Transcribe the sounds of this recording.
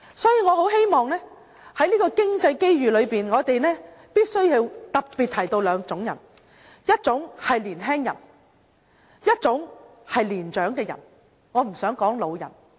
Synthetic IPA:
sɔː˨˥jiː˧ŋɔː˨˧ho˨˥whe˥jmɔː˨ŋlɛː˥ | hɐ˨˥jliː˥kɔː˧kɪ˥ŋt͡sɐ˧jke˥jɥyː˨lɵ˨˧ɥpiː˨nŋɔː˨˧t̪e˨jnɛː˥piː˥t̚sɵ˥ɥji˨˧wt̪ɐ˨p̚piː˨t̚t̪ʰːɐ˨˩jt̪o˧wlœː˨˧ŋt͡sʊ˨˧˥ŋjɐ̰˨˩n | jɐ˥t̚t͡sʊ˨˥ŋhɐ˨jliː˨˩nɦɛː˥ŋjɐ̰˨˩n | jɐ˥t̚t͡sʊ˨˥ŋ | hɐ˨jliː˨˩nt͡ʃœː˨˥ŋkɛː˧jɐ̰˨˩n | ŋɔː˨˧m̩˨˩sœː˨˥ŋkɔː˨˥ŋlo˨˧wjɐ̰˨˩n

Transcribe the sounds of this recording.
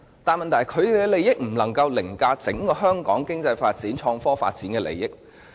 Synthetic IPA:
t̪aː˨nmɐ˨nt̪ʰɐ˨˩jkʰɵ˨˧ɥɛ˧le˨jɪ˥k̚m̩˨˩lɐ˨˩ŋkɐ˧wlɪ˨˩ŋkaː˧t͡sɪ˨˥ŋkɔː˧ɦœː˥ŋkɔ̰ː˨˥ŋkɪ˥ŋt͡sɐ˧jfaː˧t̚t͡siː˨˥nt͡ʃʰɔː˧ŋfɔː˥fa̰ː˧t̚t͡siː˨˥nkɛː˧lḛ˨˩jɪ˥k̚

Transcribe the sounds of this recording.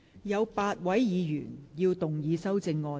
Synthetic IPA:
jɐ˨˧wpaː˧t̚wɐ˨˥jjiː˨˧jy̰ː˨˩njiː˧wt̪ʊ˨˩ŋjiː˨˧sɐ˥wt͡sɪ˧ŋːɔː˧

